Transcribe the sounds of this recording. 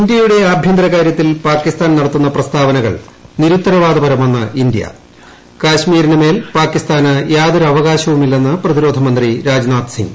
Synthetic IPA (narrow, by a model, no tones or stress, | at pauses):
ind̪jɐjuɽe̞aːbʱjɐnd̪rɐɣaːɾjɐt̪ːilpaːkːist̪aːnnɐɽɐt̪ːunːɐprɐst̪ʰaːʋɐnɐɣɐ̰ɭniɾut̪ːɐɾɐʋaːd̪ɐbɐɾɐmenːɐind̪ijɐ̰ | kaːɕmiːɾinɨme̞ːlpaːkːist̪aːnɨjaːd̪ɐɾɐʋɐɣaːɕɐʋumilːɐnːɨprɐðiɾo̞ːd̪ʱɐmɐnd̪riɾaːd͡ʑnaːt̪sḭŋɡ